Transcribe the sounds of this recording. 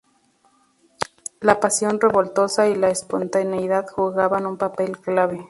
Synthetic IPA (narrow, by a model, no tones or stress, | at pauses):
lapasjo̞nreβo̞lt̪o̞sailaespont̪aneiðaðxuɣaβanumpape̞lklaβe